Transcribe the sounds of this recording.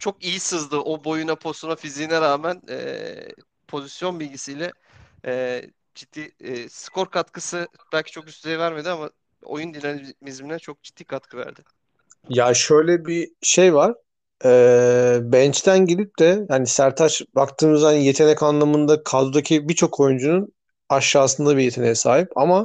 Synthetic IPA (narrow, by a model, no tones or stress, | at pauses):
t͡ʃʰo̞kijisɯzd̪ɯʔobo̞junapʰost̪unafiziːnɛɾaːmænɛ̰ː | pʰo̞zisjo̞nbilʲɟisijlʲɛ | ɛː | d͡ʒid̪̥ːiːskʰo̞ɾkʰat̪kʰɯsɯb̥ælʲcʰi̥t͡ʃʰo̞kyst̪ʰɛjɛvæɾme̞d̪iama | o̰jund̪inamizminɛt͡ʃʰo̞k̚d͡ʒid̪̥ːiːkʰat̪̚kʰɯvæ̰ɾd̪ɪ | jaʃø̞jlʲɛbiʃejvaɾ̥ | ɛːbɛnt͡ʃt̪ʰænɟelʲip̚t̪ʰɛjaːnisæɾt̪ʰaʃbakt̪ʰɯːmɯzaje̞t̪ʰenɛcanlˠamɯnd̪akʰad̪ud̪acʰibit͡ʃʰo̞kʰo̞jund͡ʒunun | aʃːaːsɯnd̪abijet̪ʰenejɛsaːɦipa̰ma